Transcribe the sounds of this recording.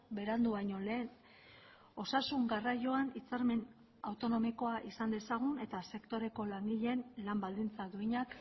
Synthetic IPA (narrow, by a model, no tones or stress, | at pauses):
be̞ɾand̪uβaɲo̞le̞ːn | o̞sasuŋɡaraʝo̞anit͡saɾme̞n | awt̪o̞no̞miko̞aʔisand̪e̞saɣ̞une̞t̪ase̞kt̪o̞ɾe̞ko̞laŋɡiʎe̞nlambald̪int͡saðuiɲak